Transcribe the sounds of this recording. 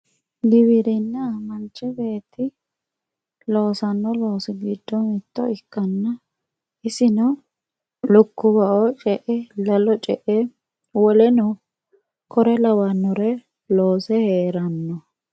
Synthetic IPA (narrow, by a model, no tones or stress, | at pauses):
ɡɪβɪɾɪnːɐmɐnt͡ʃːɛbe̞ːt̪ːɪ | lo̞ːsɐnːɔlo̞ːsɪɡid̪ːɔmɪt̪ːɔɪkːɐnːɐ | ɪsɪnɔ | lʊkːʊbɐʔɔt͡ʃʼɛʔɛlɐlɔt͡ʃʼɛʔɛ | wɔlɛnɔ | kʰɔɾɛlɐwɐnːɔɾɛ | loːsɛheːɾɐnːɔ